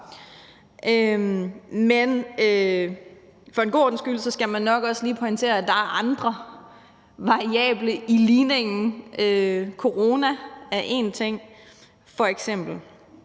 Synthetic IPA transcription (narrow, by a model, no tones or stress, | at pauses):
ʔø | menø | fɒ̽e̝nɡ̥o̝ːɐd̥n̩sɡ̥ylsɒsɡ̥æmænːɒ̽ɡ̥ɒ̽sliːpʰɒ̽int͡sʰe̝̰ːɐæd̥ɑ̈æɐʔɑ̈nd̥ʁɐ | ʋɑ̈ʁiɛ̰ːb̥ləiliːne̝ŋn̩ʔøkʰo̝ʁo̝ːnææʔe̝ːnt͡sʰeŋ̰ | fɒ̽eɡ̥sem̰b̥l̩